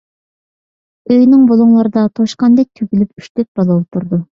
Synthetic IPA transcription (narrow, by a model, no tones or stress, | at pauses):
øjnɪŋbolˠuŋlˠɑɾɨd̪ɑt̪ʰoʃqɑnd̪ɛk̚ʲt̪ʰyɡʲilypyʃt̪yk̚ʲb̥ɑlˠɑwt̪ʰuɾd̪u